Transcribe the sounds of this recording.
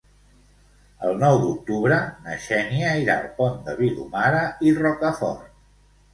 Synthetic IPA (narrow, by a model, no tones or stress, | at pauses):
ə̰lˠnɔwd̪uk̚t̪uβɾənəʃɛniəiɾa̰lpond̪əβilṵmaɾəirɔkəfɔ̰r